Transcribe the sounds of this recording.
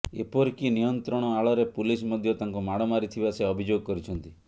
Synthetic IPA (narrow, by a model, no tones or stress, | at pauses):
ḛpɔɾkinijɔnt̪ɾɔɽ̃ɔaɭɔɾepulismɔd̪ʱjɔt̪aŋkumaɽ̃ɔmaɾit̪ʰibaseɔbʱid͡ʒoɡ̚kɔɾit͡ʃʰɔnt̪i